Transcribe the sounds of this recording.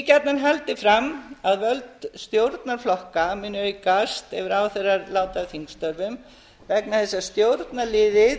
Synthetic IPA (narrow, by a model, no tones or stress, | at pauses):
cat̪nanɦalt̪ɪfɾamaðvœlt̪st̪jowɾt̪naɾ̥flɔhkamɪnːʏikast̪ɛvɪɾaːwθejraɾlaːwt̪aðθiŋkst̪œɾvʏm | vɛknaθɛsːḁst̪jowɾt̪nalɪːðɪ